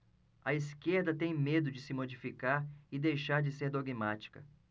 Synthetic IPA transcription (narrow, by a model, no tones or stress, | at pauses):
ɐiskeɾd̪ɐt̪ẽj̃med̪ʊd͡ʒɪsɪmod͡ʒifikaɾɪd̪ejʃaɾd͡ʒɪseɾd̪oɡimat͡ʃi̥kɐ